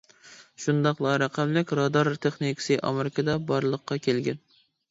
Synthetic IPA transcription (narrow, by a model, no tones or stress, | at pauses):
ʃund̪ɑqlˠɑɾæqʰæmlɪkʲɾɑd̪ɑɾt̪ʰeχnikʰsɨʔɑ̰meɾɪkʰɑd̪ɑbɑɾlˠəqːɑkʲʰelɡʲɛn